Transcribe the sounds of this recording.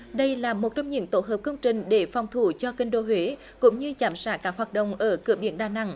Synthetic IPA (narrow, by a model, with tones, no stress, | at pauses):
ɗə˧jlaː˨˩mo˨˩t̚t͡ɕɔ˧wŋ͡mɲḭ˧˨ənt̪o˧˥ɦəː˨˩p̚kə˧wŋ͡mt͡ɕï˨˩ŋ̟ɗe˧˩fɔ˨˩wŋ͡mt̪ʰu˧˩t͡ɕɔ˧kï˧ŋ̟ɗo˧ɦwe˨˦ | kʊ̰˧˥ŋ͡mɲɨ˧zaː˨˧˩msaː˦˥k̚kːaː˦˥k̚hwaː˨˩t̚ɗə̰˧˨wŋ͡mʔəː˧˩kɨ̰˧˩əɓḭ˧˩ənɗaː˨˩na̰˧˨ŋ